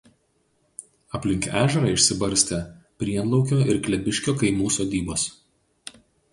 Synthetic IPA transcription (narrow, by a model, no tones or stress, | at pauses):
ɐpʲlʲɪŋʲkæːʒʲɛɾɐɪʃʲsʲɪbɐɾʲsʲt̪ʲe | pʲɾʲiɛnlˠɒʊkʲoːʔɪɾklʲɛbʲɪʃʲkʲoːkɐɪmuːsoːd̪ʲiːboːs